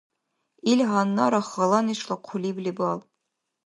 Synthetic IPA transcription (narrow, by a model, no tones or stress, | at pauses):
ilʲɦɑnːɑɾɑχɑlˠɑniʃlˠɑqʰulʲiblʲibɑlˠ